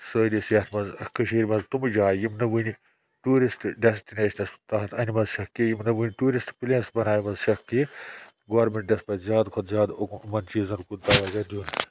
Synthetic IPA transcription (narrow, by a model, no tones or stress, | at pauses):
sɐːlisjɐt̪ʰmɐnzkɨʃiːɾʲmɐnzt̪umd͡ʒaːjimnɐʋuni | ʈuːɾisʈɖesʈineːʃɐnɐst̪ɐɦɐt̪ʰɐnimɐzʃɐkkːijimnɐʋɨnʲʈuːɾisʈpilʲeːnsbɐnaːjimɐzʃɐkkːi | ɡoːɾmeɳʈ̚dʲɐspɐt̪zʲaːd̪kʰot̪zʲjaːd̪okmɐnt͡ʃiːzɐnkud̪ɐʋazɐd̪ʲjuːn